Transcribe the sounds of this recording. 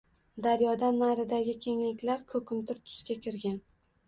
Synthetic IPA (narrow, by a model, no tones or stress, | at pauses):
d̪aɾjɒd̪anːaɾɪd̪aɡʲɪkʲʰe̞ŋlɪkʲlaɾkʰɵkʰʲɪmt̪ʰɪɾt̪ʰʊ̥ʃkʲakʲʰɪɾɡʲan